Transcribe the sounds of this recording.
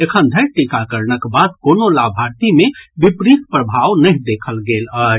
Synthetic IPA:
ekʰənd̪ʱəʈikakəɾnəkbad̪̚konolabʱaɾt̪imebipɾikpɾəbʱaʋnəɦd̪ekʰəlɡelə

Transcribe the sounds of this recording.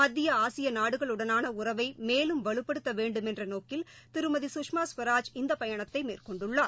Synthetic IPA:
mɐd̪ːɪjɐaːsɪjɐnaːɽɯɣɐɭɯɽɐnaːnɐʊrɐʋɐɪmeːlɯmʋɐɭɯpːɐɽɯt̪ːɐʋeːɳɖɯmɛndrɐnoːkɪlt̪ɪɾɯmɐðisʊkʂmaːsʋɐɾaːd͡ʒɪnd̪ɐpɐjɐɳɐt̪ːɐɪmḛːrkɔɳɖɯɭːaː

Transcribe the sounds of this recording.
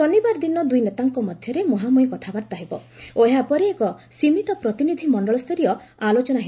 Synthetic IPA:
sɔnibaɾd̪inɔd̪ujnet̪aŋkɔmɔd̪ʱjɔɾemoɦamujkɔt̪ʰabaɾt̪aɦebɔ̰oeɦapɔɾeekɔsimit̪ɔpɾɔt̪inid̪ʱimɔɳɖɔɭɔst̪ʰɔɾiɔ | alot͡ʃɔnaɦeɔ

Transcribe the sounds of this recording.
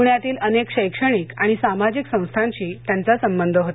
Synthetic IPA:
ɳjat̪iːlənekɕəjkʂəɽ̃ikaɽ̃isamad͡ʑiksə̃w̃st̪ʰaɲt͡ɕiːt̪jant͡sasəmbənd̪ʱəɦot̪

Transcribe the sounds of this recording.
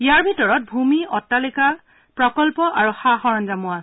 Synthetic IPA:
ijaɹbʱitɔɹɔt̚bʱumiʔɔtːalika | pɹɔkɔlpɔʔaɹuxaxɔɹɔnzamʊa

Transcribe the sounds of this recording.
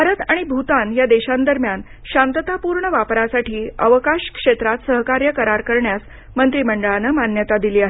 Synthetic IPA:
bʱaɾət̪aɽ̃ibʱut̪anjad̪eɕãnd̪əɾmjan | ɕãnt̪ət̪apuɾɳəʋapɾasaʈiːəʋəkaɕkʂet̪ɾat̪səɦkaɾjəkəɾaɾkəɾɳjas | mənt̪ɾiːməɳɖəɭanəmanjət̪ad̪iliːaɦe

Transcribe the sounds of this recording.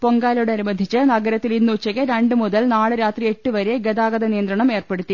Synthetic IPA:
po̞ŋɡaːloɽeɐnimɐd̪ʱit͡ɕːɨnɐɡɐɾɐt̪ːilinːut͡ɕːɐɣeɾeɳɖɨmuðɐlnaːɭɨɾaːt̪rie̞ʈːɨʋɐɾeɡed̪aːɡɐðɐnijɐnd̪ɾɐɳɐme̞ːrpe̞ɽut̪ːi

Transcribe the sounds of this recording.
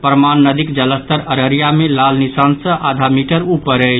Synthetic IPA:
pɾəmanːəd̪ikd͡ʒələst̪əɾəɾəɾjamelalnisansə̃ʔad̪ʱamiʈəɾupəɾə

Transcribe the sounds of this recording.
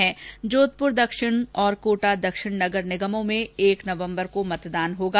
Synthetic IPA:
ɦɛ̃d͡ʒoːt̪̚pʊɾd̪ɐkʃɪɽ̃ɔːɾkoːʈad̪ɐkʃɪɽnɐɡəɾnɪɡəmõmẽeːknɐʋə̃mbəɾkomɐt̪d̪aːnɦoːɡaː

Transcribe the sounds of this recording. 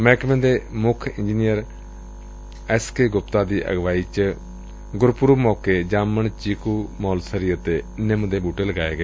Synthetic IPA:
mɛ̃ːkmẽnd̪eːmʊkʰɪ̃nd͡ʒinijəɾ | ɛːskeːɡʊpt̪aːd̪iːʔə̰ɡʋaːiːt͡ʃ | ɡʊɾpʊɾumɔːkeːd͡ʒaːmənt͡ʃiːkuːmɔːlsəɾiːət̪eːnɪmd̪eːbuːʈeːləɡaːeːɡeː

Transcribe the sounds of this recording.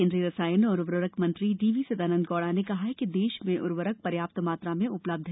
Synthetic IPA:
ɪ̃nd̪ɾiɾɐsaːjənɔːɾʊʋɾʋəɾəkmɐ̃nt̪ɾiɖiːʋisɐd̪aːnə̃nd̪ɡɔːɽanekɐɦaɦɛkid̪eːʃmẽʔʊɾʋəɾək̚pɐɾjaːp̚t̪maːt̪ɾamẽʔʊpləb̚d̪ʱɦ

